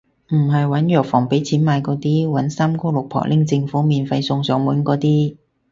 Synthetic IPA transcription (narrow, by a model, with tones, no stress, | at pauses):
m̩˨˩ɦɐ˨jwɐ˨˥njœː˨k̚fɔː˨˩ŋpe˨˥jt͡sʰiː˨˥nmaː˧jkɔː˨˥t̪iː˥wɐ˨˥nsaː˥mkɔː˥lʊ˨k̚pʰɔ̰˨k̚lʔɪ˥ŋt͡sɪ˧ŋfuː˨˥miː˨nfɐ˧jsʊ˧ŋsœː˨˥ŋmuː˨˥nkɔː˨˥t̪iː˥